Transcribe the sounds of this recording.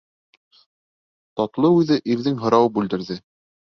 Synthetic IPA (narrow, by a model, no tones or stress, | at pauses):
t̪ɑt̪lˠɤʉðɘʔiɾðɘŋɦɤ̆ɾɑwbʉld̪ɘ̆ɾðɘ